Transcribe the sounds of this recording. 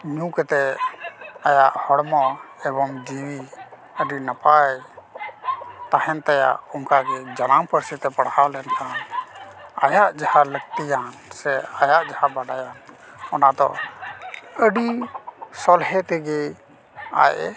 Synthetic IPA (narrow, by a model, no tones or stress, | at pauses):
ɲũkɛt̪ɛ | ajaʔhɔɽmɔɛbɔŋd͡ʒiwi | əɖinapaj | t̪ahɛnt̪aja̰ʔɔŋkaɡɛd͡ʒanampəɾsit̪ɛpəɽhalɛnkãn | a̰jaʔd͡ʒahaləɡ̚t̪ijansɛajaʔd͡ʒahabaɖajan | ɔnad̪ɔ̰ʔ | əɖisɔlɦɛt̪ɛɡɛ | a̰jɛ